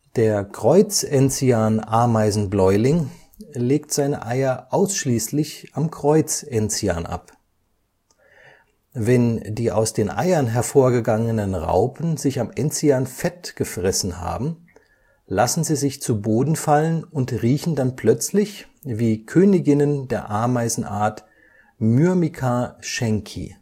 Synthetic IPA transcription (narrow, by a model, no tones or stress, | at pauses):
d̥eːɐkʁ̥ɔʏt͡sʔɛnt͡siaːnʔaɐmaɪzn̩blɔʏlɪŋ | leːktz̥aɪnə̰ʔaɪɐʔaʊsʃliːslɪçʔamkʁ̥ɔʏt͡sʔɛnt͡sia̰ːnʔa̰p | vɛndiːʔa̰ʊsd̥eːnʔa̰ɪɐnɦɛɐfoːɐɡəɡaŋənənʁa̰ʊpʰən̩zɪçamʔɛnt͡siaːnfɛtɡ̥əfʁ̥ɛsn̩ha̰ːbm̩ | lasn̩ziːzɪçt͡suboːdn̩falənʊntʁiːçn̩danpʰl̥œt͡slɪç | viːkʰøːnɪɡɪnəndeːɐʔaɐmaɪzn̩ʔa̰ːɐt | myɐmikʰaʃɛŋkʰḭ